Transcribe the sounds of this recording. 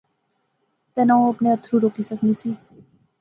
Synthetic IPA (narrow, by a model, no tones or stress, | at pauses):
t̪ɛnaũɐpneət̪ʰɾuɾoːkisəknisʰi